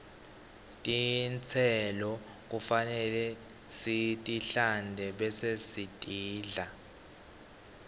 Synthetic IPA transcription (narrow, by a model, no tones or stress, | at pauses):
tʼint͡sʰɛlɔ | k̬ʼufanɛlɛ | sitʼiɬandʱɛɓɛsesitʼiːɮa